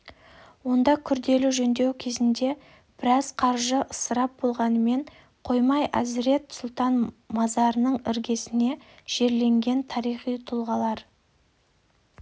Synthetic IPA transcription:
wo̞nd̪ɑkʲʰʏɾd̪e̞lɪʒɵnd̪e̞wkʲʰe̞zɪnd̪e̞ | b̥ɪɾɑz̥qʰɑɾʒəʔəsəɾɑp̚bo̞lˠʁɑnəme̞ɴ | qʰo̞jmɑjæzɪɾe̞t̪sʊlˠt̪ɑnmɑzɑɾənəɴɪɾɡʲe̞sɪne̞ʒ̥e̞ɾle̞ŋɡʲe̞nt̪ʰɑɾijχijt̪ʰʊlˠʁɑlˠɑɾ

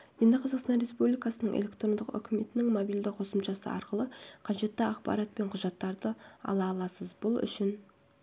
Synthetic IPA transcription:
je̞nd̪ɪqʰɑzɑqst̪ɑnɾe̞spublijkɑsənəɴʔelʲe̞kt̪ɾo̞nd̪əqʏ̰kʲʰɪme̞t̪ɪnɪŋmobijld̪ɪqʰo̞səmʃɑsə̰ɑ̰ɾqəlˠəqʰɑʒe̞t̪ːɪɑqpɑ̰ɾɑt̪̚pe̞ɴqʰʊʒɑt̪ːɑɾd̪əɑ̰lˠɑːlˠɑsəzbʊlˠʏ̰ʃɪn

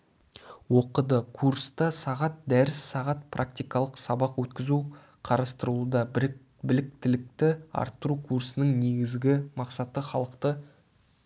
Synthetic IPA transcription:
wo̞qəd̪əkʰurst̪ɑsɑʁɑt̪̚d̪æɾɪsːɑʁɑt̪̚prʔa̰k̚t̪ijkɑlˠəqsɑbɑqwɵt̪kʲɪzu | qʰɑɾɑst̪əɾuud̪ɑ | bɪlɪk̚t̪ɪlɪk̚t̪ɪɑ̰ɾt̪ːəɾukʰuɾsənəŋneɡʲɪzɡʲɪmɑqsɑt̪əχɑlˠəqt̪ə

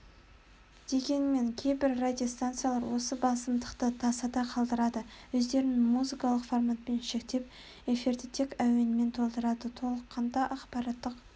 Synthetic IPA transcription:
d̪̥e̞ɡʲe̞nme̞ŋkʲʰe̞jbɪɾrad̪ʲijo̞st̪ant̪sɨjalˠɑɾwo̞səbɑsəmd̪əqt̪ət̪ʰɑsɑd̪ɑqʰɑlˠd̪əɾɑd̪əwɵzd̪e̞ɾɪnmuzikɑlˠəqformat̪̚pe̞nʃe̞k̚t̪e̞p̚ | e̞fird̪ɪt̪ʰekæwe̞nɪme̞nt̪ʰo̞lˠd̪əɾɑd̪ət̪ʰo̞lˠəqːɑnd̪ɑʔɑqpɑɾɑt̪ːəq

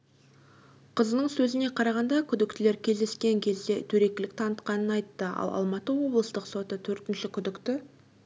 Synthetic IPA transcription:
qʰəzənəɴsɵzɪne̞qʰɑɾɑʁɑnd̪ɑkʲʰʏd̪ɪkt̪ɪle̞ɾkʲʰe̞zd̪e̞skʲe̞ŋkʲʰe̞zd̪et̪ʰɵɾe̞kʲɪlɪk̚t̪ʰɑnət̪qɑnənɑjt̪ːəɑ̰lˠɑ̰lˠmɑt̪əwo̞blˠəst̪əqso̞t̪ət̪ʰɵɾt̪ɪnʃɪkʲʰʏd̪ɪkt̪ɪ

